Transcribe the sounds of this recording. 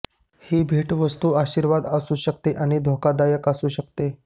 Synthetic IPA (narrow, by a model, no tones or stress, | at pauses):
hiːbʱeʈʋəst̪uːaɕiːɾʋad̪əsuːɕəkt̪eʔaɽ̃id̪ʱokad̪ajəkasuːɕəkt̪e